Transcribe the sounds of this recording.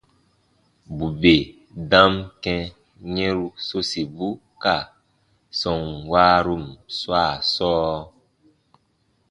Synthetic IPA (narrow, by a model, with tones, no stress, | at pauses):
bu˨be˨ | dã˦mkɛ̃˧ | ɲɛ̃˦ɾu˧so˦si˨bu˦ | ka˨ | sɔ̃˨ŋwaː˦ɾu˦˨mswaː˦˨sɔː˦